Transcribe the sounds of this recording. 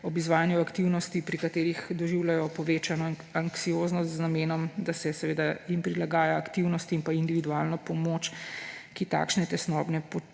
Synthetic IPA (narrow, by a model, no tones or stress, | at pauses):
ɔbizʋaːjanjuakt̪iwnɔst̪ipɾikat̪eːɾixd̪ɔʒiwlajɔpɔʋeːt͡ʃanɔaŋksijoznɔst̪znameːnɔmd̪asɛsɛʋeːd̪aimpɾilaɡaːjaːkt̪iwnɔst̪iimpaind̪iʋid̪uaːlnɔpɔmoːt͡ʃkit̪a̰kʃnɛt̪ɛsnɔːbnɛpɔ